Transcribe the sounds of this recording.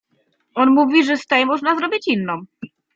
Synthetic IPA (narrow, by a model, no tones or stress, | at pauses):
ɔnmuvʲiʐɛst̪ɛjmɔʐnazɾɔbʲit͡ɕinːɔ̃w̃